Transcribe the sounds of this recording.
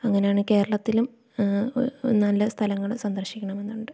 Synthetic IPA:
ɐŋːɐne̞jaːɳɨke̞ːɾɐɭɐt̪ːilum | nɐlːɐst̪ʰɐlɐŋːɐɭsɐnd̪ɐrɕikʲːɐɳɐme̞nːuɳɖɨ

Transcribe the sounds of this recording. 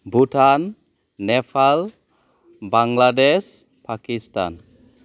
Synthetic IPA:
butanː | ɛpʰal | baŋɡladɛs | pakist̪a̰n

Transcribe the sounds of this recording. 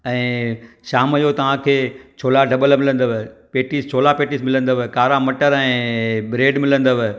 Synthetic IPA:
ɛ̃ːʃaːməjot̪ɐʋ̤ãkʰeːt͡ɕʰoːlaɖɐɓəlmɪlə̃nd̪əʋepeːʈist͡ɕʰoːlapeːʈiːsmɪlə̃nd̪əʋekaːɾamɐʈəɾɛ̃ːbɪɾeːɖmɪlə̃nd̪əʋe

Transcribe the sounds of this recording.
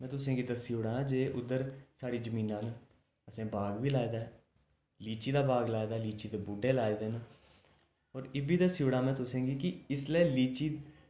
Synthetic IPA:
mɛ̃ːt̪ʊsẽːɡiːd̪asiuːɽãːd͡ʒeːʔʊd̪əɾsaːɽiːd͡ʒəmĩːnãːnː | əsẽːbaːɡʋiːlaːed̪aːɛː | liːt͡ʃiːd̪aːbaːɡlaːed̪aːɦɛliːt͡ʃiːd̪eːbuɖeːlaːed̪eːn | ɔːɾɪbiːd̪asjuːɽaːmɛ̃ːt̪ʊsẽːɡiːkɪɪsleːliːt͡ʃiː

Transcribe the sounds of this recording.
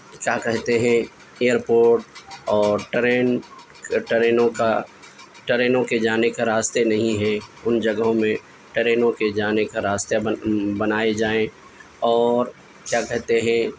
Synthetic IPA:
kjaːkɛɦt̪eɦɛ̃ | eːəɾpoːɾʈ̚ɔːɾʈɾeːn | ʈəɾeːnõka | ʈəɾeːnõked͡ʒaːnekaɾaːst̪enɐɦĩɦɛʊnd͡ʒɐɡɦõmẽ | ʈəɾeːnõked͡ʒaːnekaɾaːst̪ebɐnaːed͡ʒaːẽ | ɔːɾ | kjaːkɛɦt̪eɦɛ̃

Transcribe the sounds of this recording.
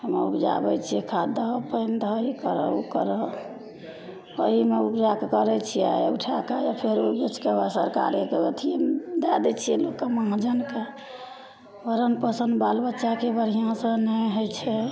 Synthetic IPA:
həmḛupd͡ʒa̰bɛt͡ʃʰiɛkʰad̪əpəɪnt̪ɔɦikəɾə̰o̰kəɾə | əɦimeupd͡ʒakekəɾɛt͡ʃʰija̰juʈʰakajapʰeɾobit͡ʃkeasəɾka̰ɾekeət̪ʰid̪ad̪ɛt͡ʃʰiɛlokːemãɦd͡ʒənke | ʋəɾənpəsənd̪balbətːʃakebəɾ̤ijãsə̃nəɦojt͡ʃʰɛ

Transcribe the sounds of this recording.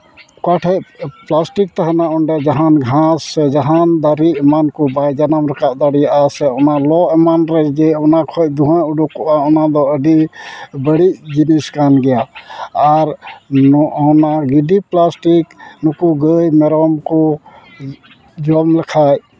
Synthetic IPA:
kaʈʰɛʔplasʈik̚t̪aɦanaɔɳɖɛd͡ʒaɦanɡʱãsːɛd͡ʒaɦand̪aɾimankɔbajd͡ʒanamɾɐkaʔ̚d̪aɽijʔasɛɔnalɔʔɛmanɾɛd͡ʒɛɔnakʰɔj̚d̪uɦãuɖukɔʔaɔnad̪ɔəɖibəɽid͡ʒiniskanɡɛjaː | ɾ | ɔnaɡiɖiplasʈiknukuɡəjmɛɾɔmkɔ | d͡ʒɔmlɐkʰaj

